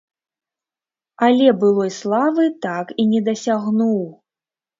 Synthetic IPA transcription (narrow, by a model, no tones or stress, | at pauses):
alʲɛbɨlˠɔjslˠavɨt̪akinʲɛd̪ɐsʲaɣnuw